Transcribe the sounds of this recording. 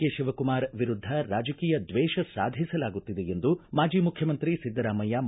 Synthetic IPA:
eːʃiʋɐkumaːɾʋiɾud̪ʱːɐɾaːd͡ʒɐkiːjɐd̪ʋɛːʃɐsa̰ːd̪ʱisɐlaːɡut̪ːid̪eend̪umaːd͡ʒiːmukʰjɐmɐnt̪ɾisid̪ːɐɾaːmɐjam

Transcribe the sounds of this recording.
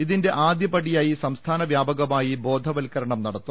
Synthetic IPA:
iðinde̞ʔaːd̪jɐpɐɽijaːjisɐmst̪ʰaːnɐʋjaːbɐɣɐmaːjibo̞ːd̪ʱɐʋɐlkɐɾɐɳɐmnɐɽɐt̪ːu

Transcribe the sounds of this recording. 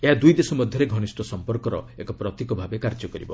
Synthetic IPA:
eɦad̪ujd̪esɔmɔd̪ʱjɔɾeɡʱɔñisʈɔsɔmpɔɾkɔɾɔ̰ekɔpɾɔt̪ikɔbʱabekaɾd͡ʒɔkɔɾibɔ

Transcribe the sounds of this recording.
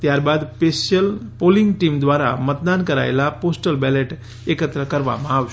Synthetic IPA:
t̪jaɾbad̪pesəlpoliŋɡʈimd̪ʋaɾa̰mət̪̚d̪ankəɾa̰elaposʈəlbɛleʈ | ekət̪ɾəkəɾʋa̰mãaʋʃ

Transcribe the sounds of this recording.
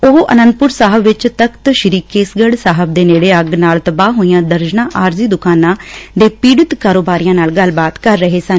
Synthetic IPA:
oɦʔə̰nə̃nd̪̚pʊɾsaːɦəbʋɪt͡ʃt̪əkt̪ʃɪɾiːkeːsɡəɽsaːɦəb̚d̪eːneːɽeːəɡnaːlt̪əbaːɦoːijãːd̪əɾd͡ʒnãːʔaːɾziːd̪ʊkaːnãːd̪eːpiːɽɪt̪kaːɾoːbaːɾijãːnaːlɡəlːbaːt̪kəɾːəɦeːsən

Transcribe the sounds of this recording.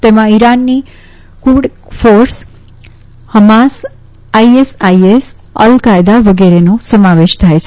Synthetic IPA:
t̪emãiɾanːi | kuɖfoɾs | həmas | aiesajes | ə̰lkajd̪aʋəɡɛɾenosəmaʋeʃt̪ʰajt͡ʃʰ

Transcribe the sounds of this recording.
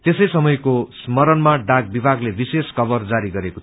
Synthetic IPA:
t̪esʌjsʌmʌjkosmʌɾʌnmaɖaɡ̚bibʱaɡlebiseskʌbʌrd͡zaɾiɡʌɾeko

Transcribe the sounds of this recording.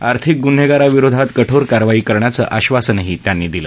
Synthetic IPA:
aɾt̪ʰik̚ɡun̤ɦeɡaɾaʋiɾod̪ʱat̪kəʈʰoɾkaɾʋaiːkəɾɳjat͡sə̰ːʔaɕʋasənəɦit̪janːiːd̪ilə

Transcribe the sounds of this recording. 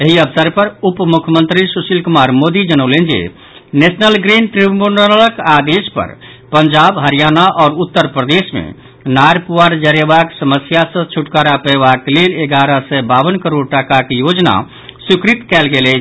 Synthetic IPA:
eɦiəbsəɾpəɾupmukʰəmənt̪ɾisusilkumaɾmod̪id͡ʒənəʊlend͡ʒḛ | nesnəlɡɾinʈɾibunələkad̪espə̰ɾ | pənd͡ʒabɦəɾijanaʔɔːɾut̪ːəɾpɾəd̪esmḛ | naɾpuwaɾd͡ʒəɾebaksəməsjasə̃t͡ʃʰuʈkaɾapəjbakleleɡaɾəsɛbabənkəɾoɽʈakakjod͡ʒna̰ | sukɾit̪kɛlɡelɛt͡ʃʰ

